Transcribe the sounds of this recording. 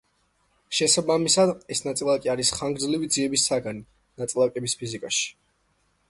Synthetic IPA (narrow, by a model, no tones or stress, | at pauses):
ʃɛsabamisad̪ɛsnat̪sʼilˠakʼiaɾisχaŋɡɾd̪zlivid̪ziɛbisaɡani | nat̪sʼilˠakʼɛbispʰizikʼaʃi̥